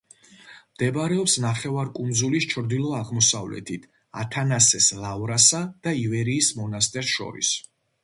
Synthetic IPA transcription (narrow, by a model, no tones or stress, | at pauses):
md̪̥ɛbaɾɛɔpsnaχɛvaɾkʼund̪zulist͡ʃʰɾd̪ilˠɔaʁmɔsavlɛ̰t̪ʰit̪ʰ | a̰t̪ʰanasɛslavɾasad̪̥aivɛɾiːsmɔnast̪ʼɛɾsʃɔ̰ɾḭs